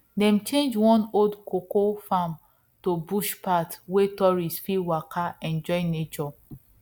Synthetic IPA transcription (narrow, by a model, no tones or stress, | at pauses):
dɛ̃mt͡ʃẽnd͡ʒwɔ̃nodkokofãm | tobuʃpatwetɔɹisfiwakʰaɛ̃nd͡ʒɔɪnet͡ʃɔ